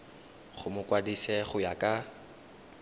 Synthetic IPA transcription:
χʊmʊkʼwadisɛχʊjakʼa

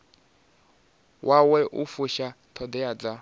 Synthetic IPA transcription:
wʔawɛʔufuʃa | t̪ʰɔd̪ɛad͡za

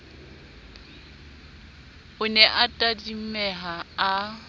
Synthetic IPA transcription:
ʊnɛʔatʼadimɛɦaa

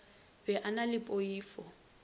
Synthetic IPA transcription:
bɛʔanalɪpʼoiːfɔ

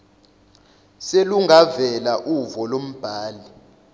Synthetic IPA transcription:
seluŋavɛlaʔuvɔlom̩b̥ʱaːli

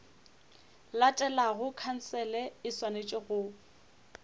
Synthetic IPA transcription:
latʼɛlaɣʊkʰan̩sɛlɛɪswanet͡ʃʼɪɣʊ

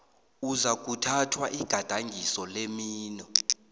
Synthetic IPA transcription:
uzak̬ʼutʰatʰwaʔiɡ̥ʱad̥ʱaŋɡʱisɔlemiːnɔ

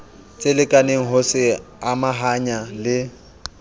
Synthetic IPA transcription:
t͡sʼɪlɪkʼaneŋ̩ɦʊsɪamaɦaɲalɪ

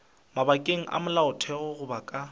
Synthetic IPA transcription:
mabakʼeŋ̩ʔa̰mʊlaʊtʰɛɣɔɣʊbakʼa

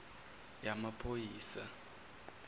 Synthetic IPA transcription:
jamapʰojiːsa

